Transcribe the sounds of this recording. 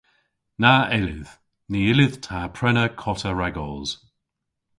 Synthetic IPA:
naʔɪlɪ̰ð̥ | niːɪlɪð̥tʰaːpʰɹ̥ɛnəkʰɔtʰəɹaɡɔz̥

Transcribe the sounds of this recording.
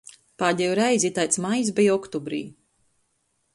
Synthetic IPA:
paːɟ̪ʲɛjuɾɛjzʲit̪ajt̪smajis̬bʲijɔkt̪ɔbɾḭː

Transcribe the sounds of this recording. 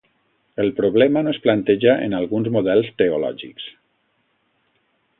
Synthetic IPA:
əlˠpɾoβ̞lɛmanosplant̪eʒaʔḛnalˠɣunzmoðɛlˠst̪eolɔ̰ʒḭks

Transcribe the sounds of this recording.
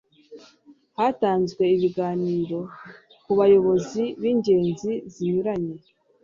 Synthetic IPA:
hataːnzɡwe̞iβiɡaːniːɾo̞ | kuβajo̞βo̞ziβiːɲɟe̞ːnziziɲuɾaɲe

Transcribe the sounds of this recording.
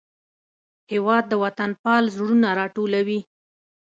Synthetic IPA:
hewɑd̪̚ːəwat̪anpɑlzɽunaɾɑʈolawi

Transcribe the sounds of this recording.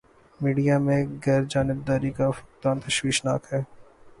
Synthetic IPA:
miːɖijamẽɡɛɾd͡ʒaːnɪb̚d̪aːɾikafʊk̚d̪aːnt̪ɐʃwiːʃna̰ːkɦɛː

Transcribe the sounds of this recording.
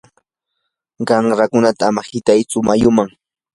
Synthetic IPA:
ɢɑŋɾakʊnat̪aːmahɪt̪ajt͡sʊmajʊmaŋ

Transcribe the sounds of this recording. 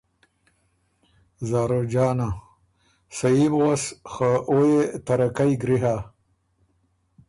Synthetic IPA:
zaːɾod͡ʒaːna | saibʁosxaʔojet̪aɾakajɡɾiɦa

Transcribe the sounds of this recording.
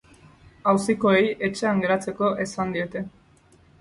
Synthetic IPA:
awsiko̞e̞je̞t͡ʃe̞aŋɡe̞ɾat͡se̞ko̞ʔe̞sand̪ie̞t̪e̞

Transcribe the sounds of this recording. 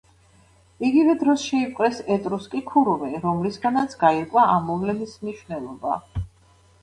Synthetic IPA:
iɡivɛd̪ɾɔsʃɛipʼqʼɾɛsɛt̪ʼɾuskʼikʰuɾumɛɾɔmlisɡanat̪sʰɡaiɾkʼwaamːɔvlɛnismniʃwnɛlˠɔba̰

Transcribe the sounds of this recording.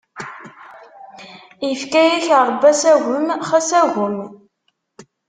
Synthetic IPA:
jəfkæjæçəɾˤbːæsæɣəmχæsæʝəm

